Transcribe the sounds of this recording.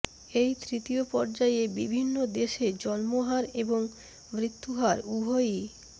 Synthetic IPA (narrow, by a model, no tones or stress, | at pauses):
ejt̪ɾit̪iopɔɾd͡ʑajebibʱinːod̪eʃed͡ʑɔlmoɦaɾeboŋ | mɾit̪ʰːuɦaɾubʱoji